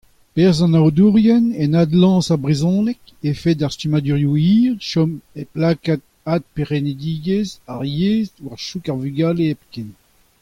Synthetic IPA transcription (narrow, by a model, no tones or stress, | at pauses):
pɛʁzɑ̃nawd̪uʁjɛnenad̪lɑ̃ːsaʁbʁezɔ̃nɛk | efed̪aʁst̪ymad̪yʁjuiːʁʃɔmeplaːkat̪̚ | ad̪̚peʁened̪iːɡezaʁjeːzwaʁʃukaʁvyɡaːleɛpken